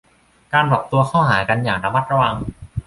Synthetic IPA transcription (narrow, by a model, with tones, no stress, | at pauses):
kaː˧npɔː˨˩p̚t̪u˧ɐkʰɔː˥˩haː˩˦ka˧njaː˨˩ŋɾa˧ma˦˥t̪̚ɾa˧wa˧ŋ